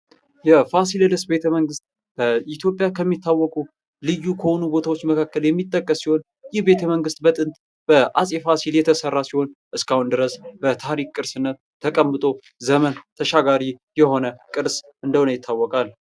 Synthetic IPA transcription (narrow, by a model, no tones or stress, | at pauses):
jɛfasiləd̪ɨsbe̞t̪ʰəməŋɡɨst̪̚ | b̥əit̪ʰjo̞pʼjakʰəmːit̪ʰːawːɔkʼu | lɨjːukʰəho̞nubo̞t̪ʰawo̞t͡ʃːməkʰakːəljɛmːit̪ʼːəkʼːəsːiho̞n | jɪhbe̞t̪ʰəməŋɡɨst̪̚bət̪ʼɨnt̪ʼ | b̥əʔasʼefasiljɛt̪ʰəsərːasiho̞nʔɨskahund̪ɨɾəsbət̪ʰaɾikkʼːɨɾsɨnːət̪ʰːəkʼəmːɨt̪ʼo̞ | zəmənt̪ʰəʃaɡaɾijɛho̞nəkʼɨɾs | ʔɨnd̪əwnəjɪt̪ʰːawːɔkʼal